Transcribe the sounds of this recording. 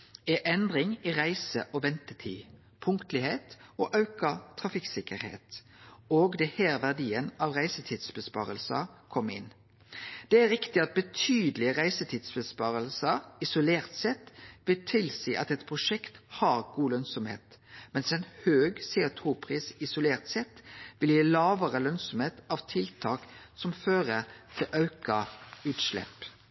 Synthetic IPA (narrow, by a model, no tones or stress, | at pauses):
ɛʔɛnd̪ʁɪŋiʁæɪsə̰ʔoːʋɛnt̪ət̪ʰiː | pʰʊŋkt̪lɪheːt̪oːʔɑʉkɑt̪ʰʁɑfɪksɪkəɾhḛːt̪ | oːɡd̪ɛhæːʁʋæʁd̪iːənɑʋʁæɪsət̪ʰiːd̪sbəspɑ̰ːɾəlsɑ̰kʰɔmːɪ̰nː | d̪̥ɛæɾɪkt̪ɪɑt̪̚bət̪ʰyːd̪əlɪəʁæɪsət̪ʰiːd̪̥sbəspɑːʁəlsɑɪsʊleːʁt̪sɛt̪ʋɪlt̪ʰɪlsiːʔɑt̪ɛt̪pʰʁʊʃɛkt̪hɑːʁɡuːlœnsɔmhḛːt̪mɛnsɛnhøːɡseːʊt̪ʰuːpʰʁiːsɪsʊleːʁt̪sɛt̪ʋɪljiːlɑːʋəʁəlœnsɔmeːt̪ɑʋt̪ʰɪlt̪ʰɑːksɔmføːʁət̪ʰɪlʔɑʉkɑʉːt̪ʃlɛ̰p